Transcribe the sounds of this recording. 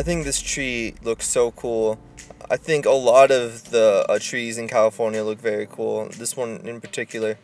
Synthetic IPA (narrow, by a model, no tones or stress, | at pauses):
aɪθɪ̃ŋk̚ðɪstʰɹ̥ilʊksoʊkʰulˠ | a̰ɪθɪ̃ŋkəlɔɾʌvðətʰɹ̥izɨ̃nkʰælˠəfɔɹnjɨlʊkvɛɹikʰulˠðɪswʌ̃nɪ̰̃npə˞tʰɪkjl̩ˠə˞